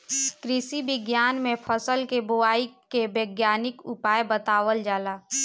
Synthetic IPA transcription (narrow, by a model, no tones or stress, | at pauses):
kɾɪsiʋɪɡjaːnmẽpʰəsəlkebʊaːikebəːɡjaːnɪkʊpaːjbət̪aːʋəld͡ʒaːlaː